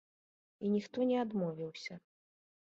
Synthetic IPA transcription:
inʲixt̪ɔnʲɛad̪mɔvʲiwsʲɐ

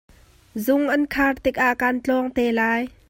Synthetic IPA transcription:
zʊŋʔɐnkʰaːrt̪ɪk̚ʔaʔkaːnt͡ɬɔːŋt̪ɛːlaːj

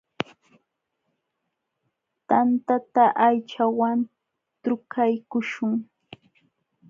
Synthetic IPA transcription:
t̪ant̪at̪aʔajt͡ʃawan | t̪ʊkʰajkʊʃʊŋ

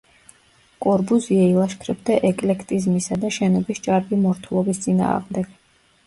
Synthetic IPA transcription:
kʼɔɾbuziailˠaʃkʰɾɛbd̪aʔɛkʼlɛkʰt̪ʼizmisad̪aʃɛnɔbist͡ʃʼaɾbimɔɾt̪ʰulˠɔbist̪sʼina̰ːʁmd̪ɛɡ̥

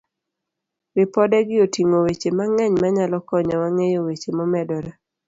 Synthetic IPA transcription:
ɾɪpɔdɛɡɪotiŋowet͡ʃemaŋɛɲmaɲalɔkɔɲɔwaŋejowet͡ʃemɔmɛdɔɾa

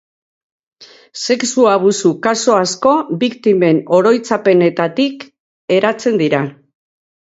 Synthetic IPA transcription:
se̞ksuaβ̞usukaso̞asko̞bikt̪ime̞no̞ɾo̞jt͡sape̞ne̞t̪at̪ik | e̞ɾat͡se̞nd̪iɾa

